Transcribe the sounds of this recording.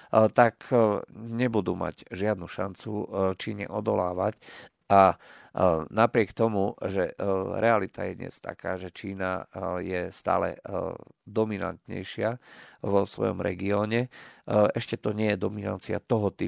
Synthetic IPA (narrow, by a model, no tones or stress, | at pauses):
t̪ak | ɲɛbud̪uːma̰ɟʒɪad̪nuʃant͡sut͡ʃiːɲɛ̰ʔɔd̪ɔlaːʋac | ʔa | napɾɪɛkt̪ɔmuʒɛɾʔɛalit̪ajɛ̰d̪ɲɛ̰st̪a̰kaːʒɛt͡ʃiːna̰jɛst̪a̰ːlɛ̰ | d̪ɔmina̰nt̪ɲɛ̰jʃɪaʋɔsʋɔ̰jɔ̰mɾɛ̰ɡiɔːɲɛ | ɛʃcɛt̪ɔɲɪɛjɛd̪ɔmina̰nt͡sia̰t̪ɔɦɔt̪i